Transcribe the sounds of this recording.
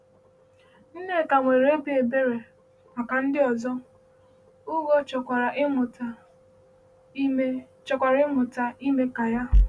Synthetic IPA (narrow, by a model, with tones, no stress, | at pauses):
n̩˦ne˦˨ka˨ŋʷe˨ɾe˦bi˦e˨be˦ɾe˨ | ma˨ka˨n̩˦dɪ˦ɔ˨zɔ˦ | ʊ˦ɡo˦t͡ʃɔ˨kʷa˨ɾa˨˦mʊ˨ta˨˦ | t͡ʃɔ˨kʷa˨ɾɪ˦mʊ˨ta˨i˦me˦ka˨ja˦